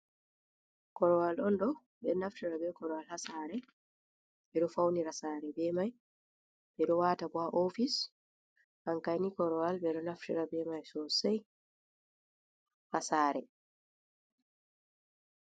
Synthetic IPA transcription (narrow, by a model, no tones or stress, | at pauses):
kɔɾɔwalɗɔnɗɔ | bɛnaftiɾabɛkɔɾɔwalhasaːɾɛ | ɓɛɗɔfawniɾasaːɾɛbɛmaj | bɛɗɔwatabɔaʔofis | ʔaŋkajnikɔɾɔwalbɛɗɔnaftiɾabɛmajsɔsɛj | hasaːɾɛ